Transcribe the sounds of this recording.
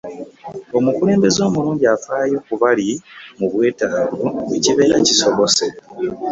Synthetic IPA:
o̞mukule̞ːmbe̞zo̞ːmuluːɲɟiafaːjo̞ːkuβalimuβwe̞ːtaːvueciβe̞ːɾaciso̞βo̞se̞

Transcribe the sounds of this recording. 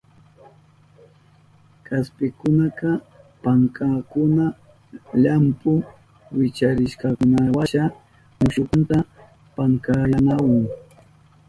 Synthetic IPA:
kʰaspɪkʊnaqɑ | paŋkakʊna | ʎampʊ | wɪt͡ʃaɾɪʃkɑkʊnawaʃa | mʊʃʊkʊnt̪a | paŋkajanawaŋ

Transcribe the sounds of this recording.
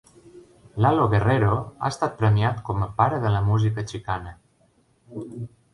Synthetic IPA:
laloɣereɾoa̰əst̪at̪̚pɾəmiat̪kɔməpaɾəðələmuzikət͡ʃikanə

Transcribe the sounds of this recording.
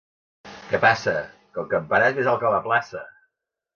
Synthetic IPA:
kɛpasəkəlˠkəmpəɾaezmezalˠkələplasə̰

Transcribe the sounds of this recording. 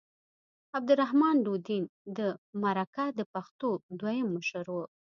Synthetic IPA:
ab̚d̪ʊɾaɦmɑnɖod̪ind̪əmaɾakad̪əpaxt̪od̪wajəmːəʃəɾwu

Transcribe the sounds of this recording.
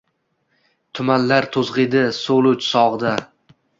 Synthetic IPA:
t̪ʰʊmanlaɾt̪ʰozʁɪd̪ɪsolˠʊt͡ʃsɒʁɨd̪a

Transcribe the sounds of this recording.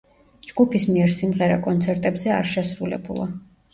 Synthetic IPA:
d͡ʒɡ̥upʰismiɛɾsimʁɛɾa̰kʼɔnt̪sʰɛɾt̪ʼɛbzɛa̰ɾʃɛsɾulɛ̰bulˠa

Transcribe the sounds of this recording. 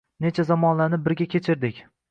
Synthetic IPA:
ne̞t͡ʃʰazamɒnlaɾnɪp̚bɪɾɡʲakʲʰet͡ʃʰɪɾd̪ɪkʲ

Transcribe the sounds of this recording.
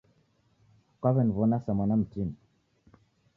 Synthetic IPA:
kaβɛnvɔnasamanam̩tin

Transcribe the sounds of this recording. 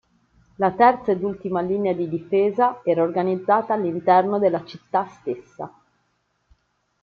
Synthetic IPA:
lat̪ɛrt̪saed̪ult̪imaliːnead̪id̪ifeːzaɛːɾaorɡanid̪zːaːt̪aːlːint̪ɛrnod̪elːat͡ʃit̪ːast̪esːa̰

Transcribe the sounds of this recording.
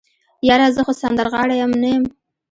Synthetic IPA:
jɑɾazəxosand̪əɾɣɑɽajamnajəm

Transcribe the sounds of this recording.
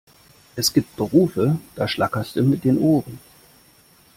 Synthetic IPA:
ʔɛsɡ̥iːp̚t̚b̥əʁuːfəd̥aːʃlakɐstd̥umɪt̚d̥eːnʔoːʁən

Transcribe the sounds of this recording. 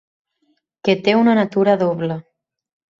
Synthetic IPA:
ket̪eunanat̪uɾaðoβla

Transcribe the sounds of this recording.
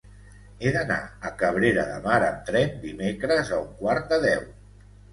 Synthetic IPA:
eðəna̰əkəβ̞ɾeɾəðə̰maɾəmt̪ɾɛnd̪imekɾəzəuŋkwaɾt̪̚d̪əðɛw

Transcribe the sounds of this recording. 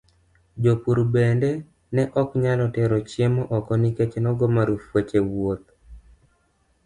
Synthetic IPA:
d͡ʒopuɾbende | nɛʔɔkɲalɔtɛɾɔt͡ʃjemɔʔɔkɔniket͡ʃenɔɡɔmaɾufwet͡ʃewot̪̚

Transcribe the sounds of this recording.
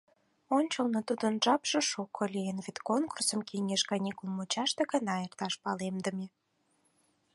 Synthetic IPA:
onʲt͡ɕəlnot̪ud̪ənʒɑpʒə̆ʃukʰːolʲienvet̪konkursəmkiŋʲeʃkɑnʲikulmut͡ɕɑʃt̪eɣənɑert̪ɑʃpɑlemd̪ə̆me

